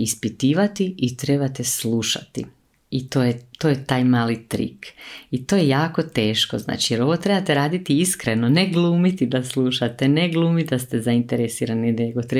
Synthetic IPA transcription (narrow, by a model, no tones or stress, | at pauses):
ispit̪iːʋat̪iit̪ɾe̞bat̪esluʃa̰t̪ḭ | it̪oːjet̪oːjet̪aːjmaːlit̪ɾḭkit̪oːjejaːko̞t̪e̞ːʃkozna̰ːt͡ʃijeɾo̞ʋo̞t̪ɾe̞bat̪eɾaːd̪it̪iiskɾeno̞neɡlˠuːmit̪id̪aslˠuːʃat̪eneɡlˠuːmid̪ast̪ezaint̪eɾesiːɾanieɡo̞t̪ɾe